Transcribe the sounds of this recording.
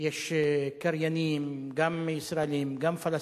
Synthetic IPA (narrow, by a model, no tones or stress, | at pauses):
jɛʃkaɾjanimɡamisɾalimɡamfalɐ